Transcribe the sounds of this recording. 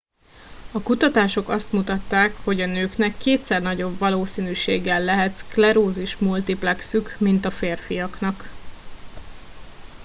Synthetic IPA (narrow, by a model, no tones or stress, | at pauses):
ɒkut̪ɒt̪aːʃo̞kɒst̪mut̪ɒt̪ːaːkho̞ɟɒnøːknɛkːeːt̪sɛrnɒɟo̞bvɒloːsiːnyːʃḛːɡɛlːɛɦɛt̪sklɛɾoːziʃmult̪iplɛksykmint̪ɒfeːrfijɒknɒk